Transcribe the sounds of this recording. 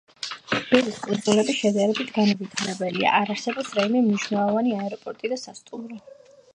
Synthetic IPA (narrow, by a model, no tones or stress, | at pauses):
b̥ɛliskʼund̪zulɛbisʃɛd̪aɾɛbit̪ʰɡanavit̪ʰaɾɛbɛlia̰ʔaɾaɾsɛbɔpsɾaimɛmniʃwnɛlˠɔvaniaɛɾɔpʼɔɾt̪ʼid̪asast̪ʼumɾɔ